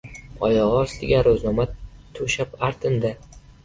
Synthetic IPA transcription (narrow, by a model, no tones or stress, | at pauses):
ɒjɒʁɒsd̪ɪɡʲaɾoznɒmat̪ʰɵʃapaɾt̪ʰɪnd̪a